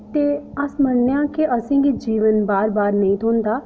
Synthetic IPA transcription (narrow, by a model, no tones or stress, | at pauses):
t̪eːəsməɳːejãːkiʔəsĩːɡid͡ʒiːʋənbaːɾbaːɾnəĩːt̪ʰoːnd̪aː